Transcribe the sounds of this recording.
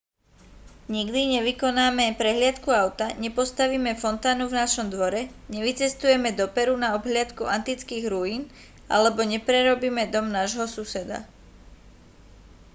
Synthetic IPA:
ɲiɡd̪iɲɛʋikɔnaːmɛpɾɛɦlɪat̪kuaʊt̪aɲɛpɔst̪aʋiːmɛfɔnt̪aːnuvnaʃɔmd̪ʋɔɾɛɲɛʋit͡sɛst̪ujɛmɛd̪ɔpɛɾunaɔbɦlɪat̪kuʔant̪it͡skiːɣɾujiːn | alɛbɔɲɛpɾɛɾɔbiːmɛd̪ɔmnaʒɦɔsusɛd̪a̰

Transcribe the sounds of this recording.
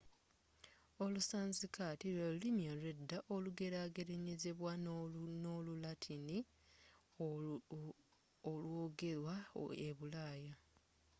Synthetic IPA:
o̞lusaːnzikatilolimjoledːaʔoluɡe̞ɾaːɡe̞ɾeɲeze̞βwanolulatʰini | olwo̞ːɡe̞lwa̰eβulaːja

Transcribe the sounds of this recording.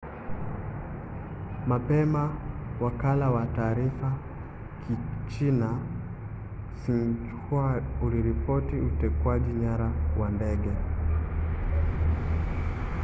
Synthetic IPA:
mapɛmawakalawataːɾifa | kʰit͡ʃina | sin̩t͡ʃu̥kʰuauliɾipɔtiutɛkwaʄiɲaɾawandɛɡɛ

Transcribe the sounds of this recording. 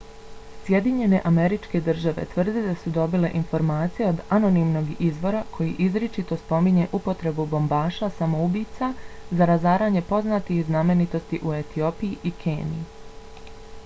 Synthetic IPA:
sje̞d̪iɲe̞ne̞̰ʔame̞ɾit͡ʃke̞d̪r̩ʒaʋe̞̰t̪ʋr̩d̪ed̪asud̪o̞bile̞ʔinfo̞ɾmaːt̪sijeo̞d̪ano̞nimno̞ɡizʋo̞ɾakʰo̞jiʔizɾet͡ʃit̪o̞spo̞miɲe̞ʔupo̞t̪ɾe̞bubo̞mbaːʃasamoubit̪sazaɾazaːɾaːɲe̞po̞znat̪ixzname̞nit̪o̞st̪iʔue̞t̪io̞pijiʔikʰeːnḭi

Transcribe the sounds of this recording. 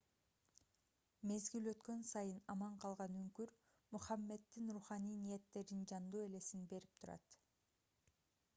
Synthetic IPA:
me̞zɡiløt̪kø̞nsɑjɯnɑmɑɴqʰɑlˠʁɑnyŋkyɾ | muχɑmːe̞d̪ːinɾuχɑnijnije̞t̪ːe̞ɾind͡ʒɑnd̪uːe̞le̞sinbe̞ɾip̚t̪ʰuɾɑ̰t̪

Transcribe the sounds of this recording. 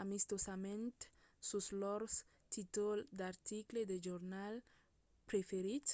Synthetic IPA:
amist̪osamẽnt̪ | suslɔɾs | t̪it̪old̪aɾt̪ikled̪eʒoɾnal | pɾefeɾit̪

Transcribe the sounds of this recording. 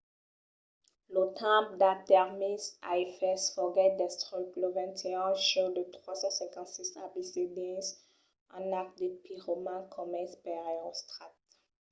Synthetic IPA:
lot̪ʰãp̚d̪at̪ɛʁmisaefɛsfɔɡɛd̪ɛst̪ʁipləvɛ̃t̪ʰeɛ̃ʃod̪ət̪χwasɑ̃sɛ̃kɑ̃t̪sisãpised̪ɛ̃s | ɑ̃nak̚d̪epʰiʁomãkʰɔmɛspɛʁeʁost̪χat̪

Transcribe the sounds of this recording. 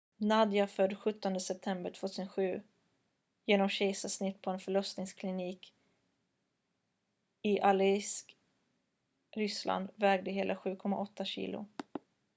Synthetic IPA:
nad̪jafœɖɧɵt̪ːɔnd̪əsɛp̚t̪ʰɛmbəɾʈʰv̥oːt̪ʰʉːsənɧʉ̟ː | jeːnɔmɕɛjsasnɪt̪ːpʰɔɛnfœɭɔst̪nɪŋskʰlɪniːk | ɪʔalɪsk | ɾʏsla̰nd̪vɛːɡ̚d̪əɦeːlʔaɧʉ̟ːkʰɔmːa̰ʔɔt̪ːaɕḭːlʊ̰

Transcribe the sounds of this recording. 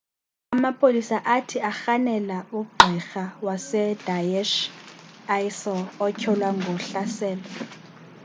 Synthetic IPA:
amapʰolisaʔatʰiaxanɛlauɡ͡ǃʱixawasɛd̥ajɛʃ | ajsɔɔcʰɔlwaŋɡʱɔɬasɛːlɔ

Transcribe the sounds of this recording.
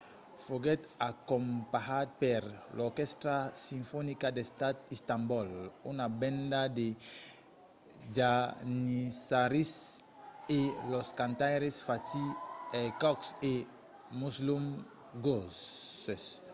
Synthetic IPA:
foɡet̪akompahat̪̚peɾloɾkɛst̪ɾasĩɱfɔnikad̪est̪at̪ist̪ãmbɔlunabẽnd̪ad̪e | d͡ʒanisaɾis | eloskãnt̪ajɾesfat̪iɛkɔkse | muslum | ɡoses

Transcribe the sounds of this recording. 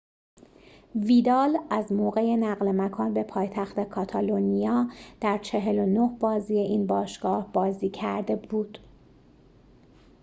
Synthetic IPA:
viːd̪ɒːlæzmoːɣe̞je̞næɣlemækʰɒːnbe̞pʰɒːjt̪ʰæxt̪e̞kʰɒːt̪ʰɒlonijɒːd̪̥æɾt͡ʃʰe̞ɦe̞lo̞nohbɒːziːje̞ʔiːnbɒːʃɡ̥ɒːhbɒːziːcʰæɾd̪e̞buːd̪̥

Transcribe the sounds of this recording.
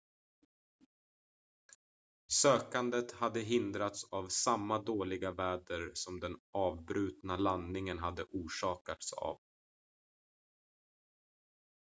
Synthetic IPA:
søːkand̪ət̪had̪ːəɦɪnd̪ɾat̪savsamːad̪oːlɪɡavæːɖəɾsɔmd̪ɛnɑːvbɾʉ̟ːt̪nalanːɪŋənɦad̪ːəʔuːʂɑːkat̪sa̰v

